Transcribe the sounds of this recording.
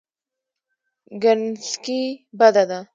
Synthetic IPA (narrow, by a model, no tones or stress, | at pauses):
ɡənskibad̪ad̪a